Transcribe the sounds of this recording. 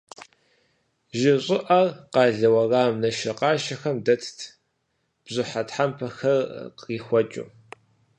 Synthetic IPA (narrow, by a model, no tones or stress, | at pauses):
ʒɪɕʼɪʔɐrqɑːɮɐwɐraːmnɐʃɐqɑːʃɐxɐmdɐtʰtʰ | b̥zʊħatħampʰɐxɐrqiːxʷɔt͡ʃʼṵ